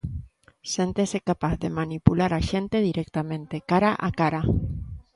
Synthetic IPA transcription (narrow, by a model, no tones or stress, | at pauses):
sent̪esekapaθðemanipulaɾaʃent̪eðiɾek̚t̪amẽ̞nt̪ekaɾaʔakaɾa